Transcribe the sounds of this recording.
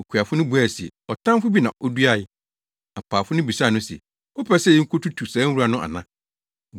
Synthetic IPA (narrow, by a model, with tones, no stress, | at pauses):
o˨kʰu˨a˨fʊ˦nʊ̃˦bu˨æ˦˨sɛ̰˨ɔ˨tʰã˦mfʊ˦bi˦nã˨ʔɔ˦du˦a˦ɪ˦ | a˨pʰaː˨fʊ˦nʊ̃˦bi˨sa˦˨nʊ̃˦sɛ̰˨ | ɔ˦pʰɛ˦sɛ˦˨ɪ˦ŋ̩˦kʰʊ˦tu˦tʰu˨sãː˨˦wu˦a˨nʊ̃˦ʔa̰˨nã̰˦